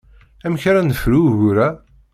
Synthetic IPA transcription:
æmçɾænəfɾuʝuɾæ

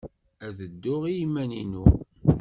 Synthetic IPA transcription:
æðəd̪ːʊʁijimːæninu

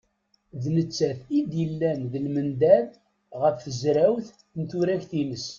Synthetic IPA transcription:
ðnət͡sːæθid̪jəlːænðəlmənd̪æð | ʁəfːəzɾæwθ | nt̪ʊɾæçθinəs

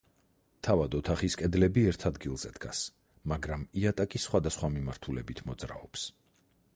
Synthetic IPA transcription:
t̪ʰavad̪ɔt̪ʰaχiskʼɛd̪lɛbiɛɾt̪ʰad̪ɡilˠz̥ɛ̰d̪ɡa̰s | maɡɾamiat̪ʼakʼisχwad̪asχwamimaɾt̪ʰulɛ̰bit̪ʰmɔd̪zɾa̰ɔps

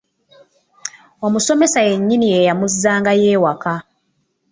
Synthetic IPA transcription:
o̞muso̞me̞saje̞ɲːinije̞jamuzːaːŋɡaje̞ːwaka

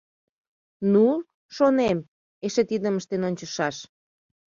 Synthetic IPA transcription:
nu | ʃonem | eʃet̪id̪əməʃt̪enonʲt͡ɕə̆ʃɑʃ

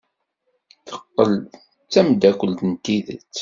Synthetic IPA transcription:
θə̥qːəl | t͡sːæmd̪ækʷəlt̪ənt̪iðə̰t͡sː

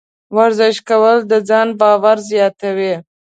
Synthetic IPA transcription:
waɾzɪʃkawəld̪əd͡zɑnbɑwaɾzjɑt̪awi

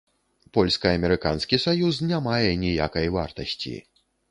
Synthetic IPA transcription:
pɔlʲskɐɐmʲɛɾɨkanskʲisajus̬nʲamajɛnʲija̰kɐjva̰rt̪ɐsʲt͡sʲḭ

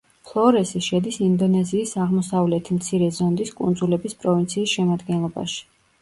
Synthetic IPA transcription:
pʰlˠɔɾɛsiʃɛd̪isind̪ɔnɛziːsaʁmɔsavlɛt̪ʰimt̪sʰiɾɛzɔnd̪iskʼṵnd̪zulɛbispʼɾɔvint̪sʰiːsʃɛmad̪ɡɛnlˠɔba̰ʃi̥

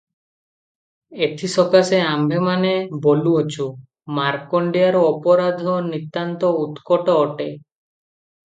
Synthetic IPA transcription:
et̪ʰisɔkaseambʱemaneboluot͡ʃʰu | maɾkɔɳɖiaɾɔɔpɔɾad̪ʱɔnit̪ːant̪ɔut̪kɔʈɔːʈe

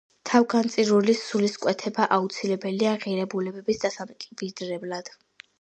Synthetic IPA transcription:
t̪ʰavɡant̪sʼiɾulisuliskʼwɛt̪ʰɛbaʔaut̪sʰilɛbɛliaʁiɾɛbulɛbɛbisd̪asamkʼibid̪ɾɛblˠad̪̥

